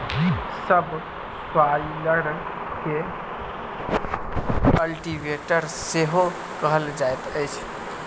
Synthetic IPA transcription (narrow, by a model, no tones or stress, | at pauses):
ɡʱit̪ | səb | sailəɡɽən | ke | kəlʈiʋeʈəɾseɦo | kəɦəld͡ʒajt̪əjt͡ʃʰ